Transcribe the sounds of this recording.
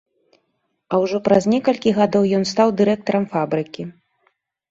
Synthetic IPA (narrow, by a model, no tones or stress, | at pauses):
ɐwʐɔpɾɐznʲɛkɐlʲkʲiɣad̪ɔwjɔnst̪awd̪ɨɾɛk̚t̪ɐɾɐmfabɾɨkʲi